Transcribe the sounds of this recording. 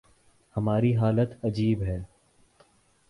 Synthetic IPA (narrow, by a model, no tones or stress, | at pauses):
hɐmaːɾiɦaːlət̪ɐd͡ʒiːbɦɛː